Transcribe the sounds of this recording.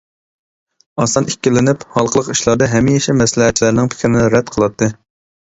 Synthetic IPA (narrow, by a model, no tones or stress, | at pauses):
ɑsɑnikʲːilɪnɪphɑlˠqʰəlˠəqi̥ʃlˠɑɾd̪ɑɦɛmːijiʃimɛslɪɦɛt̚t͡ʃʰːilæɾnɪŋpʰɪ̥kʲʰɾɪnɪɾɛd̪̚qʰəlˠɑt̪ʰːɨ